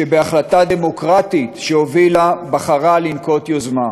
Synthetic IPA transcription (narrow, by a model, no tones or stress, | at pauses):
ʃebe̞aχlatad̪e̞mo̞kʁat̪it̪ʃeo̞vilabaχaʁalinko̞t̪jozma